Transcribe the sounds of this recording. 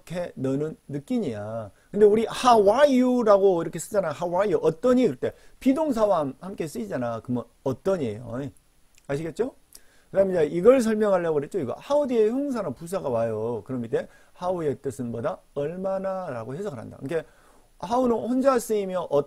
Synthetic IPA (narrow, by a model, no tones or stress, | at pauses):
kʰe̞nʌnɯnːɯk͈iɲijakɯnde̞uɾihawaiuɾaɡoiɾʌkʰe̞s͈ɯd͡ʑanajohawaiuʔʌt͈ʌɲikɯɾʌt͈e̞pidoŋs̬ʰawamhamk͈e̞s͈ɯid͡ʑanakɯmʌn | ʌt͈ʌɲiḛjo̰ | aɕ̬ʰiɡe̞t̚t͡ɕ͈o | kɯdamed͡ʑaiɡʌɭs̬ʰʌɭmjʌŋɦaɭːaɡoɯɾɦet̚t͡ɕ͈oiɡʌ̰haodieçoŋs̬ʰanɯpus̬ʰaɡawajokɯɾʌmite̞ | haue̞t͈ɯsʰɯnboda | ʌɭmanaɾaɡohes̬ʰʌkɡɯɾɦa̰nda̰kɯkʰe̞ | haunɯnɸond͡ʑas͈ɯimjʌʔʌ